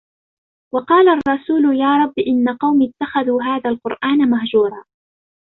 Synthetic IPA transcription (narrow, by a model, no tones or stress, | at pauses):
wɑqɑːlarˤːɑsuːlʊjaːɾˤɑbːʔɪnːaqɑwmit̪ːaxaðuːɦaːðaːlqʊɾʔaːnamaɦd͡ʒuːɾˤɑː